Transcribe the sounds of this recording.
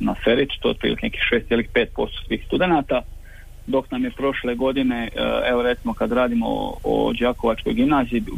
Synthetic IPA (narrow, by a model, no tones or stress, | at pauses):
nafeɾit̪u̥t̪oo̰t̪̚pɾḭlḭkeneki̥xʃe̞ːst̪jelixpeːt̪̚po̞̰st̪o̥sʋiːxst̪ud̪e̞naːt̪a | d̪o̞knamjepɾo̞ʃle̞ɡo̞d̪ine̞eʋo̞ɾet̪simo̞kad̪ɾaːd̪imo̰o̰d͡ʒaːko̞ʋat͡ʃko̞jɡimnaːzii